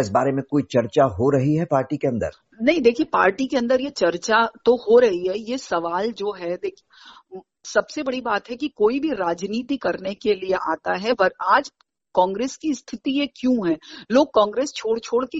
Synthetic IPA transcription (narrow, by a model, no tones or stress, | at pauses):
ɪs̬baːɾemẽkoːit͡ʃɐɾt͡ʃaɦoɾɐɦiɦɛpaːɾʈikeɐ̃nd̪ə̰ɾ | nɐɦĩd̪eːkʰiepa̰ːɾʈikeɐ̃nd̪əɾjet͡ʃɐɾt͡ʃat̪ohoɾɐɦiɦɛjesɐʋaːld͡ʒoːɦɛd̪eːkʰie | sɐbsebɐɽibaːt̪ɦɛkikoːibʱiɾaːd͡ʒniːt̪ikɐɾnekelieʔaːt̪aɦɛɐɾaːd͡ʒ | kɔ̃ːŋɡɾeːskist̪ʰɪt̪ijekjũɦɛ̃ːloːɡ̚kɔ̃ːŋɡɾeːst͡ʃʰoːɽt͡ʃʰoːɽke